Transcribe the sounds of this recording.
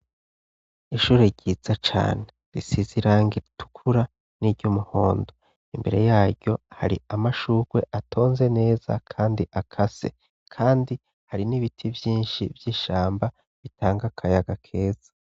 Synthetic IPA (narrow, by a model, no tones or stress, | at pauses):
iʃuːɾeɟiːz̥at͡ʃa̰ːne̞ɾisiziɾaːŋɡiɾitʰu̥kʰuɾa | niɾɟumuho̞ːndo̞ | imbe̞̰ɾe̞̰jaːɾɟo̞ha̰ɾḭamaʃuːɡwe̞ʔatʰo̞ːnze̞ne̞ːza̰kʰaːndiʔakʰase̞̰ | kʰaːndi | haɾiniβitʰivjiːnʃivjiːʃaːmba | βitʰaːŋɡakʰajaɡakʰe̞ːz̥a